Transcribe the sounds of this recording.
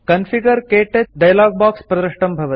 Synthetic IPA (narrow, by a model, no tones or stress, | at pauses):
kɐnfʰiɡəɾkeːʈɐɖɐjlaːɡ̚baːkspɾɐd̪ɾɐʂʈɐmbʱɐʋɐt̪